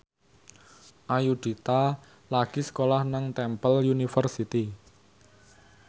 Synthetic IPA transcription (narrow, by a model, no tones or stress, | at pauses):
ʔajuɖ̪̥it̪a | laɡ̥isə̥kolahnaŋt̪ɛmpəljunifərsit̪i